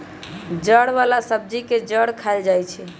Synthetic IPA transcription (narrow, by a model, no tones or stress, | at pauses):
d͡ʒəɽʋalasəb̚d͡ʒiked͡ʒəɽkʰaɪld͡ʒajt͡ʃʰɛ